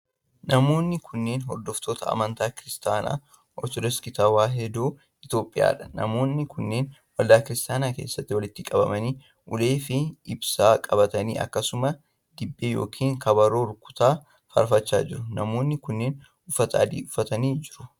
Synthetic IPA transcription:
nɐmo̞ːnːɪkʰʊnːeːnɦɔɾd̪ɔft̪ʰo̞ːt̪ɐɐ̰mɐnt̪aːkɪɾɪst̪aːna̰ː | ʔɔ̰ɾt̪ɔd̪ɐskɪt̪awaːɦɛd̪oː | ʔɪt̪o̞ːpʼɪja̰ːᶑɐ̥nɐ̰mo̞ːnːɪkʰʊnːe̞ːnwɐld̪aːkɪɾɪst̪ʼaːnaːke̞ːsːɐt̪ːɪwɐlɪt̪ːɪkʼɐbɐmɐniː | ʔʊle̞ːfɪɪbsaːkʼɐbɐt̪ɐnḭːʔɐ̰kːɐsʊmɐ | d̪̥ɪbːeːjoːkʰiːŋkʰɐbɐɾo̞ːɾʊkʼːʊ̥t̪aː | fɐ̰ɾfɐt͡ʃːa̰ːd͡ʒɪɾʊnɐmoːnːɪkʊnːeːn | ʊfːɐt̪ʰa̰ːd̪ḭːʊfːɐt̪ɐniːd͡ʒɪɾʊ

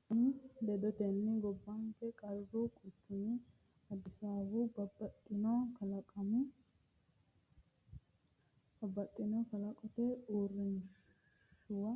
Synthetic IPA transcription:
nd̪ɛd̪ɔt̪ɛnːɪɡɔbːɐŋkɛkʼɐɾbukʼʊt͡ʃːʊnɪ | ɐd̪ɪsaːbubɐbɐt̪ʼːɪnokɐlɐkʼɐm | b̥ɐbːɐt̪ʼːɪnɔkɐlɐkʼɔt̪ɛuːrːɛn | ʃʊwɐ

